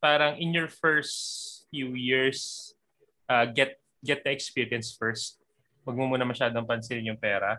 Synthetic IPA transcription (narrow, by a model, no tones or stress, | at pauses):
paːɾɐŋʔɪnjɔɹfɛɹst̪fjujɪɹs | ʔaɡɛt̪̚ | ɡɛt̪̚d̪ɐʔɛkspiːɹiɐnsfɛɹst̪̚ | wɐɡ̚momuːnɐmɐʃaːd̪oɐŋpɐnsɪnjʊŋpɛːɾɐ